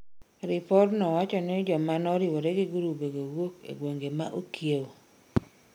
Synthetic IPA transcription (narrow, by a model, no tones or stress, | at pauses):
ɾɪpɔɾnɔwat͡ʃɔnɪd͡ʒɔmanɔɾɪwoɾeɡɪɡuɾubeɡowokḛɡwoŋɡemaʔokjew